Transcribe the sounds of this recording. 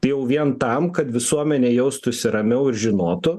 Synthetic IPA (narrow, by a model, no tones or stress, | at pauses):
t̪ɐɪjɛʊʋʲiɛnt̪ɐmkɐt̪ʋʲɪsuɔmʲɛnʲeːjɛʊst̪ʊsʲɪɾɐmʲɛʊɪɾʒʲɪnoːt̪ʊ